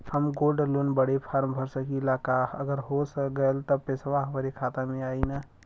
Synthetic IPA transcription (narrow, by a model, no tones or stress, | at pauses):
həmɡoɾɖlonbəɽepʰaɾmbʱəɾsəkilakaəɡəɾɦosɡəlt̪ɔpesʋaɦəmɾekʰat̪amẽaina